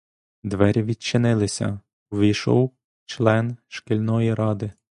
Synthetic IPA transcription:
d̪ʋɛɾʲʋʲid̪t͡ʃɪnɪlˠɪsʲɐ̰ | ʋʲijʃɔ̰w | t͡ʃlˠɛnʃkɪlʲnɔjiɾɑd̪ɪ

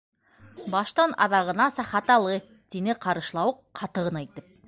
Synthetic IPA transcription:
bɑʃt̪ɑnʔɑ̰ðɑʁənɑsɑχɑt̪ɑlˠə | d̪̥eneqʰɑɾə̆ʃlˠɑwəqʰːɑt̪əʁənɑjt̪əp̚

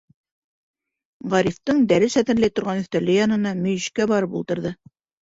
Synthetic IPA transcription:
ʁɑɾift̪ɤɴd̪æɾɘsæðɘ̆ɾlæjt̪ŏɾʁɑnɵ̆θt̪ælɘjɑnɤ̆nɑmɵ̆jɘʃkæbɑɾɤpṵlˠt̪ɤ̆ɾðɤ

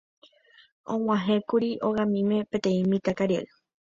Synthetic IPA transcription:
õw̃ãɦe̞kuɾiʔoɣãmĩmẽ̞pe̞t̪ẽ̞ĩmĩt̪akaɾḛɨ

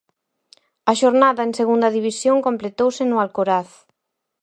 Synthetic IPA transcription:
ɐʃoɾnaðɐenseɣund̪ɐðiβisjoŋkomplet̪owsenʊalkoɾaθ

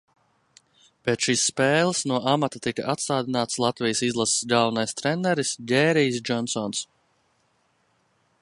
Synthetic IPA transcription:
peːt̪ʃisːpeːlˠɨsnuɔʔamat̪at̪ika̰ʔat̪saːd̪inaːt̪slˠat̪vijsizlˠassɡalˠnajst̪ɾɛnːɛɾisɡɛɾijs̬d͡ʒɔnsɔns

